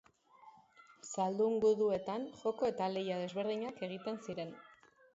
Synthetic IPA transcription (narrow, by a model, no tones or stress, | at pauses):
sald̪uŋɡuðue̞t̪anʝo̞ko̞e̞t̪ale̞jað̞e̞zβe̞ɾðiɲake̞ɣ̞it̪e̞nsiɾe̞n